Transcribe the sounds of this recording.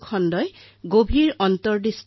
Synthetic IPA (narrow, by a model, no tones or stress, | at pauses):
kʰɔndɔj | ɡobʱiɹɔntɔɹdist